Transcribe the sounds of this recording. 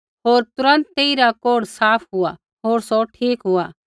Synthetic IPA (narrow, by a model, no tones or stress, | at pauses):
ɦoːɾt̪ʊɾə̃nt̪ːeːiɾakoːɽsaːpʰɦʊa | ɦoːɾsɔʈʰiːkɦʊa